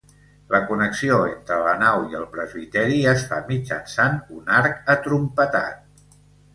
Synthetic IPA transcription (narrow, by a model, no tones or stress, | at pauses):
ləkunəksioent̪ɾələnawiəlˠpɾəzβit̪ɛɾiəsfamid͡ʒə̰nsanunaɾkət̪ɾumpət̪a̰t̪̚